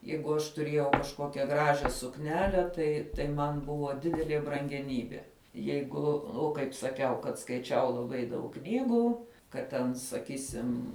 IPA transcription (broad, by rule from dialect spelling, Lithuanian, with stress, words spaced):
ˈjɛɪɡʊ ɐʃ tʊˈrʲiɛjɛʊ kɐʃˈkoːkʲɛ ˈɡrɑːʒʲɛ sʊkˈnʲæːlʲɛ tɐɪ tɐɪ ˈmɐn ˈbʊʋoː ˈdʲɪdʲɛlʲiɛ brɐŋʲɡʲɛˈnʲiːbʲiɛ ˈjɛɪɡʊ ˈʊ kɐɪp sɐˈkʲɛʊ kɐt skɐɪˈt͡ʃʲɛʊ lˠɐˈbɐɪ dɐʊk ˈknʲiːɡuː kɐt ˈtʲɛn sɐˈkʲiːsʲɪm